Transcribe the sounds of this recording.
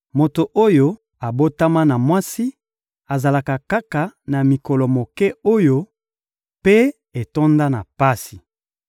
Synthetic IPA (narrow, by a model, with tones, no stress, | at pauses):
mo˨to˨ʔo˦jo˦ | a˨bo˦ta˦ma˦na˨mwa˦si˦ | a˨za˨la˨ka˨ka˦ka˨na˨mi˨kɔ˨lɔ˨mo˨kɛ˦o˦jo˦ | pe˦ | e˨to˦nda˦na˨pa˦si˨